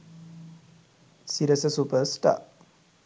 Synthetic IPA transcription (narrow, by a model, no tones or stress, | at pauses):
siɾəsəsupəsta̰ʔ